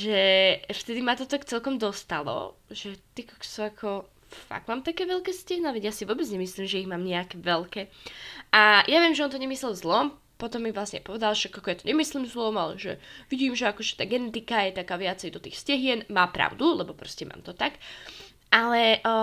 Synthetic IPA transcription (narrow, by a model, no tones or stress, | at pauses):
ʒɛft̪ɛd̪imat̪ɔt̪akt͡sɛlkɔmd̪ɔst̪alɔ̰ʒɛt̪ikaksɔakʰɔ | fa̰ɡ̥maːmt̪akɛːʋɛlkɛːscɛɦnaʋɛɟjasivʊɔːbɛd͡zɲɛmisliːmʒɛiɣmaːmɲɛakɛʋɛlkɛːʔajʔaʋɪɛmʒɛɔnt̪ɔɲɛmislɛlˠzlɔm | pɔt̪ɔmːivlasɲɛ̰pɔʋɛd̪alʃakakɔjat̪ɔɲɛmisliːmzlɔmalɛ̰ʒɛ̰ʋiɟiːmʒɛakɔʒɛt̪aːɡɛnɛt̪ikajɛt̪akaːʋɪat͡sɛjd̪ɔt̪iːxscɛɦɪɛnmaːpɾa̰ʊd̪ulɛbɔpɾɔscɛmʔa̰ːmt̪ɔt̪ak | ʔalɛʔ